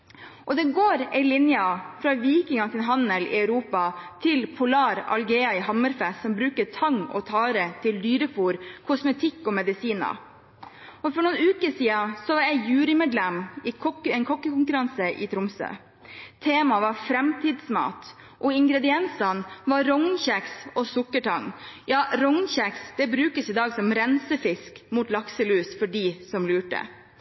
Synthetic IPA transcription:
ʔɔd̪ɛɡoːɾæɪlɪnjɑfɾɑːʋiːkɪŋɑt̪ʰɪnɦɑnəlɪ̰ɑʉɾuːpɑt̪ʰɪlpʰʊlɑːɾɑ̰lɡeːɑɪɦɑməɾfɛssɔmbɾʉːkətʰɑŋːɔ̰t̪ʰɑːɾət̪ʰɪld̪yːɾəfuːɾkʰɔsmɛt̪ʰɪkːɔmɛd̪ɪsiːnɑ̰ | ɔfɔɳʊːnʉːkəsiːɑsɔʋɑɾjæɪjʉːɾɪmeːd̪lɛmɪkʰɔɛnkʰɔkːəkʊŋkʉɾɑnsəʔɪ̰t̪ʰɾʊmsø̰ | t̪ʰeːmɑʋɑɾfɾɛmt̪ʰiːd̪smɑ̰ːt̪ | ʔɔɪŋɡɾɛd̪ɪɛnsɑnʋɑɾɔŋnçɛksɔsʊkːəʈɑŋjɑːɾɔŋnçɛksd̪̥ɛbɾʉːkəsɪːd̪ɑːɡsɔmɾɛnsəfɪskmuːt̪lɑksəlʉːsfɔɖiːsɔmlʉːʈə̰

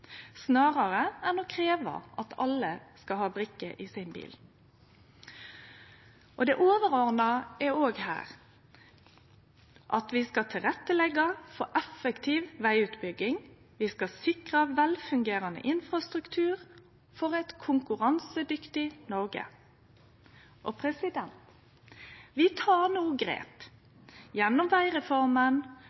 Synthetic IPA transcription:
snɑːʁɑʁəænɔkʰʁeːʋɑ̰ʔɑt̪ʰɑlːəskɑhɑːbʁɪkːəʔɪsɪnbḭːl | ʔɔd̪ɛʔoːʋəʁɔʁnɑæoːɡhæ̰ːʁ | ʔɑt̪ʋɪskɑt̪ʰɪlʁɛt̪ːəlɛɡɑfɔʔɛfəkt̪ʰiːʋʋæɪʉːt̪bʏɡɪŋ | ʋɪskɑsɪkʁəʋɛlfʉŋɡeːʁɑnə̰ʔɪnfʁɑst̪ʁʉkt̪ʰʉːʁ | fɔʁɛt̪kʰʊŋkʉʁɑnsəd̪ʏkt̪ɪnɔʁɡə̰ | ʔɔpʰɾɛsɪd̪ɛnt̪ | ʋɪt̪ʰɑːʁnuːɡʁḛːp̪ | jɛnːɔmʋæɪʁɛfɔʁmən

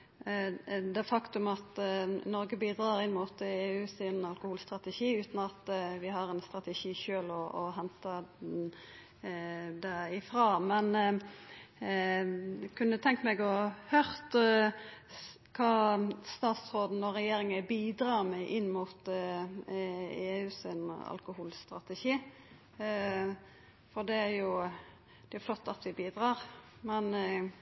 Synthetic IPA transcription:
d̪ɛfɑkt̪ʉmɑt̪nɔɾɡəbiːd̪ɾɑːɾɪnmʊt̪eːʉːsɪnɑlkʊhuːlst̪ɾɑt̪ɛʃiːʉːt̪nɑt̪ʋɪɦɑɾɛnst̪ʁɑt̪ɛʂiːʃøːlɔɔɦɛnt̪ɑ | d̪ɛɪfɾɑːmɛn | kʰʉnt̪ʰɛŋkəmɛɡɔhœɾt̪ | kʰɑːst̪ɑːt̪sʁoːd̪n̩ɔɾɛjeːɾɪŋɛbiːd̪ɾɑːmɛʔɪnːmuːt̪ | eːʉːsɪnɑ̰lkʊhuːlst̪ɾɑt̪ɛʃiː | fɔʁd̪ɛæɾjʊ | d̪̥ɛjʊflɔt̪ːɑt̪ʋɪbiːd̪ʁɑːʁmɛn

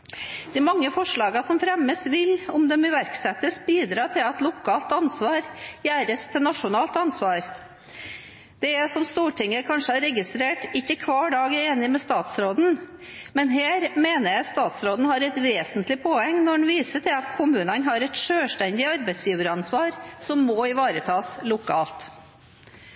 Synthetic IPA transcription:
d̪̥ɛmɑŋːəfɔʂɭɑːɡɑsɔmfɾɛməsʋɪlʊmd̪ɛmɪʋæɾksɛt̪əsbiːd̪ɾɑːt̪ʰɪlɑt̪lʊkʰɑːlt̪ɑnsʋɑːɾjæːɾəst̪ʰɪlnɑʂʊnɑːlt̪ɑnsʋɑːɾ | d̪̥ɛɛsɔmst̪uːʈʰɪŋːəkʰɑnʂəɑɾɛɡɪst̪ɾeːʈɪçːəkʰʋɑːɖɑːɡəeːnɪmɛst̪ɑːt̪sɾoːd̪n̩mɛnɦeːɾmeːnəjæɪst̪ɑːt̪sɾoːd̪n̩hɑɾɛt̪ʋeːsənt̪lɪpʰoːɛŋnɔɖɳʋiːsəʈ̪ʰɪlɑt̪kʰʊmʉːnɑnɦɑɾɛt̪ʂøːʂʈɛnd̪ɪɑɾbɛɪsjiːʋəɾɑnsʋɑːɾsɔmːɔːɪʋɑːɾət̪ʰɑːslʊkʰɑ̰ːlt̪

